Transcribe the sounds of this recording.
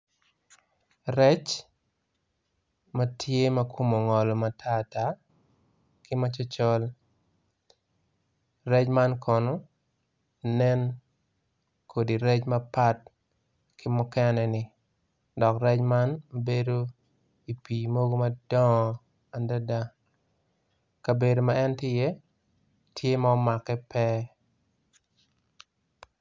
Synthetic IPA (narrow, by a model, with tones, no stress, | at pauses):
rɛ˦t͡ʃ | ma˦tʰje˦mɐ˦ko˦mo˨ŋɔ˨lɔ˨ma˨tʰa˦˨ta˦ | kɪ˦ma˦t͡ʃɔ˦t͡ʃɔ˦l | rɛ˦t͡ʃma˦nkʰɔ˨no˦ | nɛ˦n | kʰo˨di˨ɾɛ˦t͡ʃmɐ˦pa˦t̚ | kʰɪ˦mʊ˦kɛ˦nɛ˨nɪ˨ | dɔ˨kɾɛ˦t͡ʃma˦nbe˦do˦ | i˨pi˨mo˦ɡo˦ma˦dɔ˦ŋɔ˨ | a˨nda˦da˦ | ka˨be˨do˨maɛ˦ntɪ˦jɛ˦ | tʰje˦ma˨ɔ˦ma˨kːɛ˦pɛ˦